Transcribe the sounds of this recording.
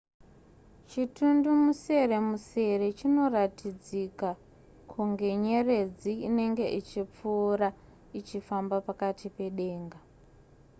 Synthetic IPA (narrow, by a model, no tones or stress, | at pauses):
t͡ʃitundumuse̞re̞muse̞re̞t͡ʃino̞ratid͡zika | kʰuŋɡe̞ɲe̞re̞d͡ziine̞ŋɡe̞ʔit͡ʃip͡fuːɾa | it͡ʃifambapakatʰipe̞ɗe̞ːŋɡa